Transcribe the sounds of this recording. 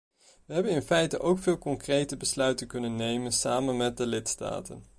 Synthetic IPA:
ʋəɦɛbənɪnfɛjtəʔowkfɪːlˠkɔŋkrejtəbəslœɥtənkɵnənːejmənsaːmənmɛt̚dəlɪtsta̰ːtən

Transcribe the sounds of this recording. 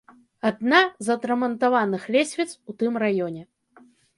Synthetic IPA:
ad̪nazɐt̪ɾɐmɐnt̪avanɨxlʲɛsʲvʲit̪sut̪ɨmrajɔnʲɛ

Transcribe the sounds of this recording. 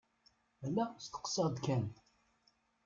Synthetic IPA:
ælːæst̪ə̥qsəʁd̪kæn

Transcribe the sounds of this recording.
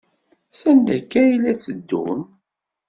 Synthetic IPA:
sænd̪ækːæjilæt͡sːəd̪ːṵn

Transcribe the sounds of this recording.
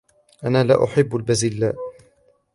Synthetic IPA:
ʔanaːla̰ːʔʊħɪbːalbazɪlːaːʔ

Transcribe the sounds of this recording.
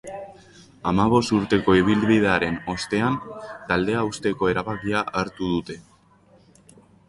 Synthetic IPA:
amaβ̞o̞st̪uɾt̪e̞ko̞iβ̞ilβið̞e̞aɾe̞no̞st̪e̞ant̪ald̪e̞aust̪e̞ko̞e̞ɾaβakiaaɾt̪uð̞ut̪e̞

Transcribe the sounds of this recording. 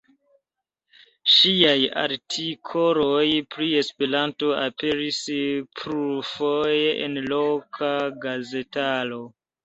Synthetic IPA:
ʃiaja̰ɾtʰikʰo̞lojpɾie̞spe̞ɾanto̞ape̞ɾispʰɾufojeḛnlo̞kʰaɡaze̞talo̞

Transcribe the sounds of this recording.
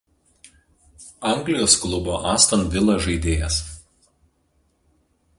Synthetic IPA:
ɐˑŋʲɡlʲɪjoːsklˠʊboːʔɑːst̪ɐnʋʲɪlˠɐʒɐɪd̪ʲeːjɛs

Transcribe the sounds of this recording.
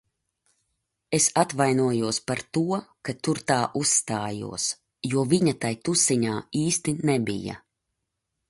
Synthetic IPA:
esat̪vajnuɔjuɔspaɾt̪uɔkat̪uɾt̪aːʔusːt̪aːjṵɔs | juɔviɲat̪ajt̪usiɲaːiːst̪inɛbḭja̰

